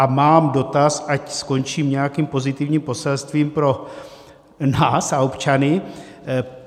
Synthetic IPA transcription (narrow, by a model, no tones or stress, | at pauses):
ʔamaːmdo̞t̪asacsko̞nt͡ʃiːmɲɛjakiːmpo̞zɪt̪ɪvɲiːmpo̞sɛlst̪viːmpɾo̞ | naːsaopt͡ʃanɪ